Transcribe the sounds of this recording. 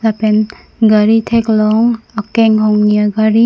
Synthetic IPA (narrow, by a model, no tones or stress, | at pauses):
lapen | ɡaɾitʰeklɔŋakːeŋɦɔŋnijaɡaɾi